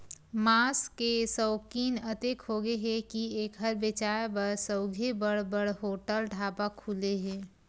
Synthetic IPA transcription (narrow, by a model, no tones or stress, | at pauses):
maːskesəʊkiːnɐt̪ekɦoːɡeɦɛkieːkɦəɾʋet͡ʃaːjbəɾsəʊɡʱebəɽbəɽɦoːʈəlɖʱaːpakʰuleɦɛ̃ː